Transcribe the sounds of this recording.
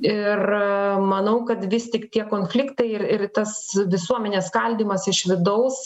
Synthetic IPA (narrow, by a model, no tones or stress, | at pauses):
ɪrmɐnɐʊkɐt̪ʋʲɪsʲt̪ʲɪkt̪ʲiɛkoːnfʲlʲɪkt̪ɐɪɪrɪɾt̪ɐsʋʲɪsuɔmʲɛnʲeːskɐlʲd̪ʲiːmɐsɪʃʋʲɪd̪ɐʊs